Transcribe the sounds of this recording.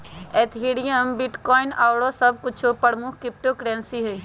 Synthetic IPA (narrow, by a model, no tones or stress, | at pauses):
eːt̪ʰɦeːɽijəmbɪʈkɔːɪnaːʊɽosɐb̚kʊt͡ʃʰopəɾmʊkʰkɾɪp̚ʈokɾɛ̃ːnsiɦeː